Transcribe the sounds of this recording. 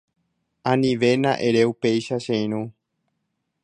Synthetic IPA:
ãnĩʋe̞nãʔeɾe̞upe̞jʃaʃẽj̃ɾ̃ũ

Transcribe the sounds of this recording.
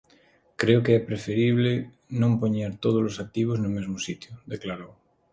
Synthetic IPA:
kɾeokeɛpɾefeɾiβle | nõmpoɲaɾt̪oð̞olosak̚t̪iβ̞oznomezmosit̪jod̪eklaɾow

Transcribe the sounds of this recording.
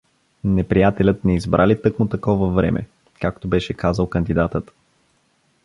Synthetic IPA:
nɛpɾijat̪ɛlʲət̪nɛizbɾʔalit̪ɤkmʊt̪ɐkɔvəvɾɛ̰mʔɛ̰ | kak̚t̪obɛʃɛkazəlˠkənd̪id̪at̪ət̪

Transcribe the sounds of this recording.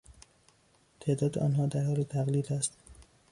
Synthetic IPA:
t̪ʰe̞ːd̪ɒːd̪eʔɒ̰ːnɦɒːd̪æɾhɒːlet̪ʰæɣliːd̪æst̪

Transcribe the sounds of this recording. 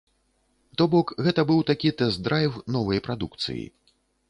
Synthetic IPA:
t̪ɔbɔkɣɛt̪ɐbɨwt̪akʲit̪ɛzd̪ɾajwnɔvɐjpɾad̪uk̚t̪sɨ̰jḭ

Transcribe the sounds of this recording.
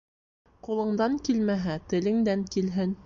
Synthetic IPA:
qulˠɤ̆ɴd̪ɑŋkilmæɦæt̪ɘ̆lɘ̆ŋd̪æŋkilɦɘn

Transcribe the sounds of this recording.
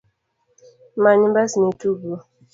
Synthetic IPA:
maɲimbasnetubu

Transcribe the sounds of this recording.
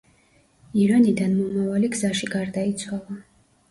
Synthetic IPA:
iɾanid̪anmɔmavaliɡzaʃiɡaɾd̪ait̪sʰwalˠa

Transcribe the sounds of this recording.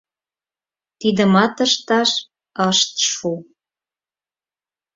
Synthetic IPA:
t̪id̪ə̆mɑt̪əʃt̪ɑʃ | əʃt̪ʃu

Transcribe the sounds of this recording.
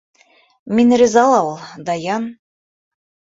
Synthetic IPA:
minrʲizɑlˠɑwlˠd̪ɑjɑn

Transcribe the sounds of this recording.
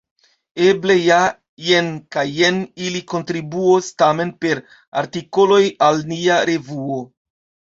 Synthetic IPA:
e̞ble̞ja | jenkajːeniliko̞ntɾibuostame̞npe̞ɾ | a̰ɾtiko̞lo̞jalniaɾe̞vuo

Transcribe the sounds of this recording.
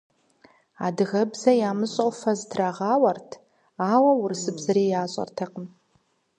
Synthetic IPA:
a̰ːdɨɣɐbzɐjaːmɨɕʼowfɐzdʰraʁɑːwɐrtʰ | aːwɐwʊrsɨbzɐɾiːjaːɕʼɐ̰rtʰɐqəm

